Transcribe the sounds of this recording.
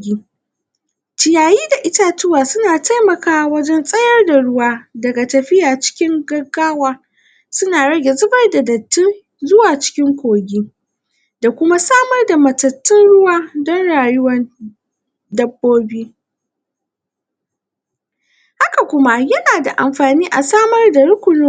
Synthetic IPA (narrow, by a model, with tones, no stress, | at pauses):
ɡʲiː˦ | tɪ˨jaː˨jiː˦da˨ʔɪ˦ta˦tʊ˦waː˨sʊ˦naː˨ta˦jmɐ˨kaː˦wɐ˦d͡ʒɛ˦nsʼɐ˦jɐ˦rda˨ɽʊ˦waː˦dɐ˨ɡa˨tɐ˨ɸɪ˦jaː˨t͡ʃɪ̥˦kʲɪ˦ŋɡɐ˦ɡːaː˦waː˦ | sʊ˦naː˨ɽɐ˦ɡʲe˨zʊ˦bɐ˦rda˨dɐ˨tːɪ˦n | zʊ˦waː˨t͡ʃɪ̥˦kʲɪ˦ŋkʷoː˨ɡʲiː˦ | da˨kʷʊ˦ma˦saː˦mɐ˦rda˨mɐ˨tɐ˨tːɪ˦nɽʊ˦waː˦dɔ˦nɽaː˨jʊ˦wɐ˦n | dɐ˦bːoː˦biː˦ | ha˦ka˨kʷʊ˦ma˦jɐ˦naː˨da˨ʔa̰˨mɸaː˨niː˦ʔa˨saː˦mɐ˦rda˨ɽʊ˦kʷʊ˨noː˦